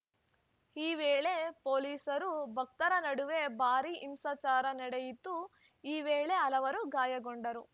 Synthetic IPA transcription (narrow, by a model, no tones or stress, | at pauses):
iːʋeːɭepoːliːsɐɾubʱɐk̚t̪ɐɾɐnɐɽuʋe̞baːɾiʔimsaːt͡ʃaːɾɐnɐɽejit̪ːu | iːʋeːɭe̞ɐlɐʋɐɾuɡaːjɐɡoɳɖɐɾu